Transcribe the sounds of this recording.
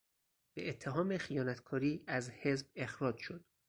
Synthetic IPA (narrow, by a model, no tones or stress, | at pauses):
b̥eʔet̪ʰːe̞ɦɒːmexijɒːnæt̪kʰɒːɾiːæzhe̞zb̚e̞xɾɒːd͡ʒʃod̪̥